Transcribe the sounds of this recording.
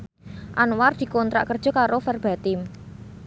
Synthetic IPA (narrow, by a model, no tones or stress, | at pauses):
ʔanward̪̥i̤kɔnt̪ɾa̰ʔkərd̥ʒ̥ɔ̤kaɾofɛrb̥a̤t̪ɪm